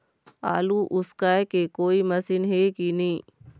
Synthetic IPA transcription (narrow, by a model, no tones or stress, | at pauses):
a̰ːluʔʊskaekekoːimɐsɪnɦekinĩː